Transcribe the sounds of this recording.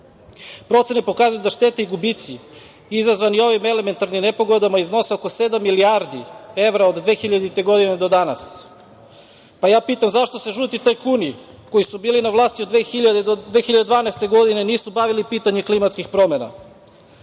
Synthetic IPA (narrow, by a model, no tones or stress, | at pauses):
pɾo̞t̪senepo̞kazujud̪aʃt̪e̞t̪eiɡubit̪si | izazʋanio̞ʋime̞le̞me̞nt̪aɾnimne̞po̞ɡod̪amaizno̞seokose̞d̪amːiliaɾd̪ie̞ʋɾaod̪d̪ʋe̞ːxiʎad̪it̪e̞ɡo̞d̪ined̪o̞d̪ana̰s | pajaːpiːt̪amzaʃt̪o̞seʒuːt̪it̪ajkuni | ko̞jisubiːlinaʋlˠaːst̪iod̪ʋeːxiʎad̪ed̪ʋe̞ːxiʎad̪ed̪ʋaːnɛst̪e̞ɡo̞d̪ineniːsubaʋilipiːt̪aɲeklimat̪skixpɾo̞mena̰